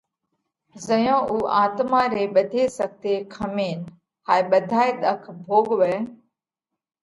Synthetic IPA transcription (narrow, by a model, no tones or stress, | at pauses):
zəjõːʔuːʔaːt̪maːɾeːɓəd̪ʱeːsɐɡ̚t̪eːkʰɐmeːn | haːeɓəd̪ʱaːeɗ̪əkʰbʱoːɠʋɛː